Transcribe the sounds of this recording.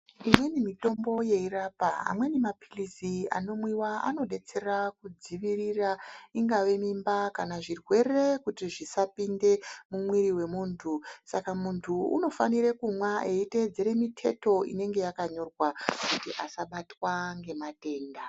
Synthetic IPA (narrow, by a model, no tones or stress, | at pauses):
imwe̞nimito̞mbo̞je̞iraːpaa̰mwe̞nimapilisia̰no̞mwiwaa̰no̞ɗe̞t͡se̞rakud͡ziʋiriraiŋɡaʋe̞mimbakanaʐirwe̞re̞kutiʐisapinde̞mumwiɾiwe̞muːntʰusakamuntʰuṵno̞faniɾekumwaʔeite̞d͡zeɾe̞mitʰe̞̰to̞ḭne̞ŋɡe̞jakaɲo̞rwakutiʔasaɓatwaŋɡe̞mate̞ːnda